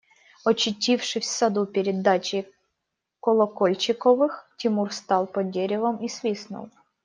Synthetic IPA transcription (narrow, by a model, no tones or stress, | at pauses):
ɔt͡ɕɪtʲifʂɨsʲsɐd̪upʲɪɾʲɪd̪at͡ɕɪ | kɔlˠɔkolʲt͡ɕɪkɔvɨxtʲɪmurst̪ɑlˠpɔdʲeɾʲɪvəmisvʲisnʊ̰lˠ